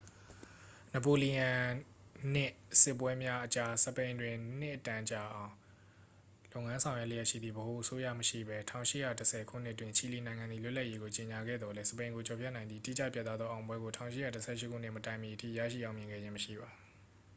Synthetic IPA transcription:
nə˨po˨li˨jã˨ | n̥ɪ˦˨sɪ˦˨pːwɛ˦mja˦ʔət͡ɕa˦səpẽ˨ɪ̃ndwɪ̃˨n̥ɪ˦ʔətã˨t͡ɕa˨ʔã˨ʊ̃ | lõ˦˨ʊŋã˦nsʰã˨ʊjwɛ˦˨le˦jɛ˦ʔʃḭ˦˨d̪ðḭ˦˨bəho˨ʔəso˦jä̰˦˨məʃḭ˦˨bɛ˦tʰã˨ʊ̃ʃɪ̰˦˨ja˦˨təsʰɛ˨kʰṵ˦˨n̥ɪ˦ʔtwɪ̃˨ɲt͡ɕʰi˨li˨nã˨ŋã˨nd̪i˦˨lʊ˦la˦ʔje˦ɡo˨t͡ɕe˨ɲa˨ɡɛ̰˦˨d̪ðɔ˨lɛ˦səpẽ˨ɪ̃ŋɡo˨t͡ɕʰɔ˨pʰjɛ˦ʔnã˨nd̪i˦˨tḭ˦˨t͡ɕä̰˦˨pja˦˨t̪a˦d̪ðɔ˦ʔã˨ʊ̃mbwɛ˦ɡo˨tʰã˨ʊ̃ʃɪ˦ja˦˨təsʰɛ̰˦˨ʃɪ˦kʰu˦n̥ɪ̰̃˦˨mətã˨ɪ̃mji˨ʔətʰḭ˦˨jä̰˦˨ʃḭ˦˨ʔã˨ʊ̃mjɪ̃˨ŋɡɛ̰˦˨d͡ʑɪ̃˦məʃḭ˦˨ba˨

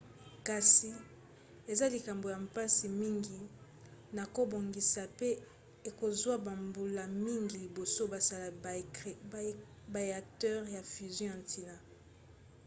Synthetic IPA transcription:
ka˨si˨ | e˨za˦li˨ka˨mbo˨ja˨mpa˦si˨mi˦ŋɡi˨ | na˨ko˦bo˨ŋɡi˨sa˨pe˦ | e˨ko˨zwa˦ba˨mbu˨la˨mi˦ŋɡi˨li˨bo˨so˦ba˨za˦la˨ | ba˨e˨a˨k̚tɛ˦ʁja˨fy˨zjɔ̃˦ã˨ntʰi˨na˨

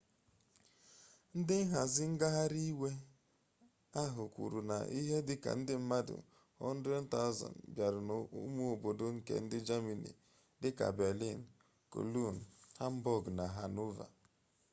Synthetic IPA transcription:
n̩˦dɪ˦ɦa˨zɪ˦ŋ̩˦ɡa˦ɦa˦ɾi˦we˦ | a˦ɦʊ˨kʷṵ˨ɾu˨na̰˨ʔi˦ɦe˦dɪ˦ka̰˨n̩˦dɪ˦m̩˦ma˦dʊ̰˨ | ɔ̰˦n̩˦dɾɛ˦n̩˦ta˦ʊ˦zɔ̰˨n̩bja˨ɾʊ˨n˨˦mu˦o˨bo˨do˦ŋ̩˦kḛ˨n̩˦dɪ˦d͡ʒa˦mi˨nḭ˨ | dɪ˦ka̰˨be˨li˦˨n̩˨ | ko̰˨lu˦˨n̩˨ha˦m̩˦bɔ˦ɡna˨ɦa˨nu˦va̰˨

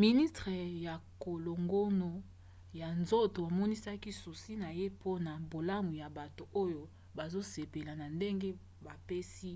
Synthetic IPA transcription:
mi˨ni˦stʁe˨ja˨ko˨lo˨ŋɡo˦no˨ | ja˨nzo˦to˨a˨mɔ˦ni˦sa˦ki˦su˨si˦na˨je˦po˦na˨bo˨la˦mu˨ja˨ba˨to˨o˦jo˦ | ba˨zo˦se˨pe˨la˨na˨nde˦ŋɡe˦ | ba˨pe˦si˦

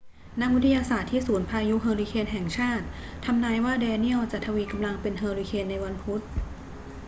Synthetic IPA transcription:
na˦˥k̚wi˦˥t̪ʰa˧jaː˧saː˨˩t̪ʰːiː˥˩suː˩˦npʰaː˧ju˦˥ɦɤː˧liː˧kʰeː˧nɦɛ˨˩ŋt͡ɕʰaː˥˩t̪̚ʰː | a˧mnaː˧jwaː˥˩dɛː˧ni˥˩əwt͡ɕa˨˩t̪ʰːa˧wiː˧ka˧mla˧ŋpe˧nɦɤː˧li˧kʰeː˧nːa˧jwa˧npʰu˦˥t̪̚

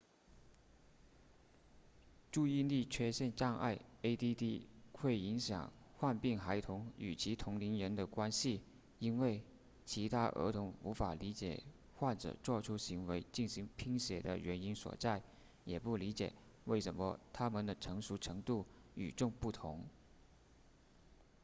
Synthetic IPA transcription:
ʈ͡ʂu˥˧i˥˧nli˥˩t͡ɕʰɥɛ˥ɕjɛ˥˧nʈ͡ʂɑ˥˧ŋʔa̰˥˩ɪe˥ɪt̪i˥t̪i˥xʰwe˥˩ɪi˧˥ŋɕjɑ̰˨˩ŋxwa˥˧npi˥˩ŋxa˧˥ɪt̪ʰʊ˧˥ŋy̰˨˩t͡ɕʰi˧˥t̪ʰʊ˧˥ŋli˧˥nɻə˧˥nd̪ə˨kwa˥nɕi˨ | i˥nwe˥˩ɪ | t͡ɕʰi˧˥t̪ʰa˥ʔə̰˧˥t̪ʰʊ˧˥ŋu˧˥fa˨˩li˧˥t͡ɕjɛ̰˨˩ | xwa˥˩nʈ͡ʂɤ̰˨˩t͡swɔ˥˩ʈ͡ʂʰu˥ɕi˧˥ŋwe˧˥ɪt͡ɕi˥˩nɕi˧˥ŋpʰi˥ŋɕjɛ̰˨˩d̪ə̰˦ɥɛ˧˥ni˥nswɔ̰˨˩t͡sa˥˩ɪ | jɛ˨˩pu˥˩li˧˥t͡ɕjɛ̰˨˩ | we˥˩ɪʂə˧˥nmə˧t̪ʰa˥mə˨nd̪ə˧˦ʈ͡ʂʰɤ˧˥ŋʂu˧˥ʈ͡ʂʰɤ˧˥ŋt̪u˥˩y˨˩ʈ͡ʂʊ˥˧ŋpu˥˩t̪ʰʊ˧˥ŋ

